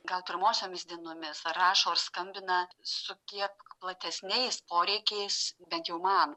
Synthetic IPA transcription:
ɡɐlˠpʲɪɾmoːsʲoːmʲɪsd̪ʲiɛnoːmʲɪsɾɑːʃoːrskɐmʲbʲɪnɐsʊkʲiɛkplˠɐt̪ʲɛsʲnʲɛɪspoːɾʲɛɪkʲɛɪsbʲɛnt̪jɛʊmɐn

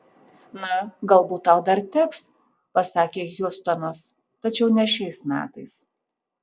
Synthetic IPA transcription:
nɐɡɐlˠbuːt̪̚ːɐʊd̪ɐɾt̪ʲɪks | pɐsɑːkʲeːjʊst̪ɔnos | t̪ɐt͡ʃʲɛʊnʲɛʃʲɛɪsmʲæ̰ːt̪ɐɪs

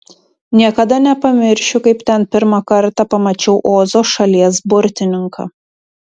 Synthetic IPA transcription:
nʲiɛkɐd̪ɐnʲɛpɐmʲɪɾʲʃʲʊkɐɪpt̪ʲɛnpʲɪɾmɐkɐɾt̪ɑpɐmɐt͡ʃʲɛʊʔoːzoːʃɐlʲiɛsbʊɾʲt̪ʲɪnʲɪŋkʰɐ̰ː

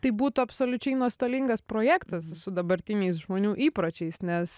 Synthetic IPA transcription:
t̪ɐɪbuːt̪ʊɐpsoːlʲʊt͡ʃʲɛɪnuɔst̪oːlʲiŋɡɐspɾoːjæːkt̪ɐssʊd̪ɐbɐɾʲt̪ʲɪnʲɛɪsʒmoːnʲuːʔiːpɾot͡ʃʲɛɪsnʲɛs

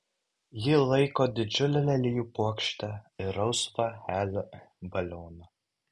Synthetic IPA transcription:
jɪlˠɐɪkoːd̪ʲɪd͡ʒʲʊlʲɛlʲɛlʲɪjuːpuɔkʃʲt̪ʲɛɪɾɐʊsfɐxʲæːlʲɛbɐlʲoːnɐ

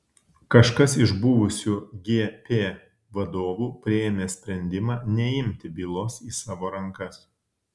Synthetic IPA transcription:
kɐʃkɐsɪʒbʊʋʊsʲuːɡʲeːpʲeː | ʋɐd̪oːʋuːpʲɾʲɪeːmʲeːsʲpʲɾʲɛnʲd̪ʲɪmɑːnʲɛɪmʲt̪ʲɪbʲiːlˠoːsiːsɑːʋoːɾɐŋˑkɐs

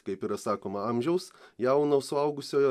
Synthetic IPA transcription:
kɐɪpɪɾɐsɑːkoːmɐɐmʲʒʲɛʊsjɛʊnɐsʊɐʊɡʊsʲoːjɛ

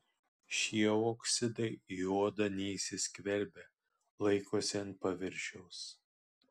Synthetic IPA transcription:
ʃʲiɛoːksʲɪd̪ɐɪjuɔd̪ɐnʲɛsʲɪsʲkʲʋʲɛlʲbʲɛ | lˠɐɪkoːsʲɛɐn̚pɐʋʲɪɾʲʃʲɛʊs

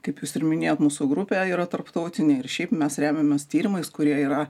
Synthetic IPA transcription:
kɐɪpjuːsɪɾmʲɪnʲeːjoːt̪muːsʊɡɾʊpʲeːiːɾɐt̪ɐrpt̪ɐʊt̪ʲɪnʲeɪɾʃʲɛɪpmʲɛsɾʲæːmʲemʲɛst̪ʲiːɾʲɪmɐɪskʊɾʲiɛiːɾɐ

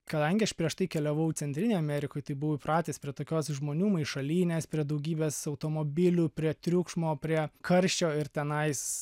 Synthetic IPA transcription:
kɐd̪ɐŋʲɡʲɪɐʃpʲɾʲiɛʃt̪ɐɪkʲɛlʲɛʋɐʊt̪t͡ssʲɛnt̪ʲɾʲɪnʲeɪɐmʲɛɾʲɪkoːjt̪ɐɪbʊʋoɪpɾɑːt̪ʲeːspʲɾʲiɛt̪oːkʲoːsʒmoːnʲuːmɐɪʃɐlʲiːnʲeːspʲɾʲiɛd̪ɐʊɡʲiːbʲeːsɐʊt̪oːmoːbʲɪlʲʊpʲɾʲiɛt̪ʲɾʲʊkʃmoːpʲɾʲiɛkɐɾʲʃʲt͡ʃʲoːɪrt̪ʲɛnɐɪs

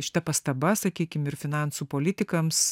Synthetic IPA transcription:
ʃʲɪ̥t̪ɐpɐst̪ɐbɐsɐkʲiːkʲɪmɪɾfʲɪnɑˑnsuːpoːlʲɪt̪ʲɪkɐms

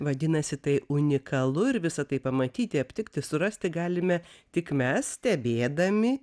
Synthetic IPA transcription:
ʋɐd̪ʲɪnɐsʲɪt̪ɐɪʊnʲɪkɐlˠʊɪɾʋʲɪsɐt̪ɐɪpɐmɐt̪ʲiːt̪ʲɪɐpʲt̪ʲɪkt̪ʲɪsʊɾɐsʲt̪ʲɪɡɑːlʲɪmʲɛt̪ʲɪkmʲɛssʲt̪ʲɛbʲeːd̪ɐmʲɪ

